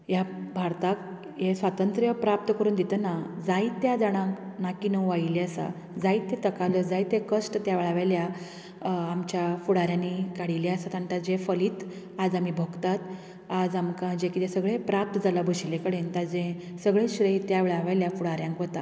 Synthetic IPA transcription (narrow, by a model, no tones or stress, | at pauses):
jabʱaɾt̪ak | jesʋat̪ənt̪ɾjəpɾap̚t̪əkəɾuːnd̪it̪ənad͡zait̪ːjad͡zaɽ̃ãknakinəʋaileasa̰ | d͡zait̪ːet̪əkaləd͡zait̪ːekəʂʈət̪jaʋeɭaʋaljaː | mt͡ɕjafuɽaɾjanikaɽileasat̪ant̪ad͡ʑefəliːt̪ | ad͡zam̤ibʱəɡt̪at̪ | ad͡zamkãd͡ʑekit̪esəɡɭepɾap̚t̪əd͡zalabʱəɕilekəɽent̪ad͡zẽsəɡɭeɕɾəjt̪jaʋeɭaʋaljafuɽaɾjãŋkʋət̪a